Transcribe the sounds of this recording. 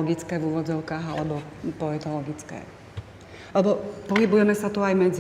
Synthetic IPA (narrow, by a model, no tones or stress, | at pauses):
ɔɡit͡skɛːvuːʋɔd͡zɔʊkaːɦa̰lɛbɔpɔɛt̪ɔlɔɡit͡skɛ̰ː | lɛbɔpɔɦibujɛmɛsat̪uajmɛd͡z